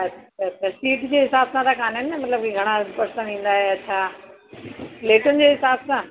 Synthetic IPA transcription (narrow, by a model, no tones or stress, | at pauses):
ɐat͡ɕʰasiːʈd͡ʑeːɦɪsaːbsãt̪ʰakaːnɦɪnːəmɐt̪ləb̚kiɡʱɐɽ̃ãpɐɾsãʋĩːn̆d̪aːɦeɐtːɕʰa | leːkʊnɪ̆d͡ʑeːɦɪsaːbsã